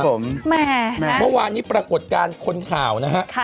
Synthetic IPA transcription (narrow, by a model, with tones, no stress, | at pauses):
o˩˦mmɛː˩˥˩mɤ˥˩waː˧nːiː˦˥pɾa˧ko˨˩t̪̚kaː˧nkʰo˧nkʰaː˨˩˦wna˦˥ɦa˦˥ʔkʰ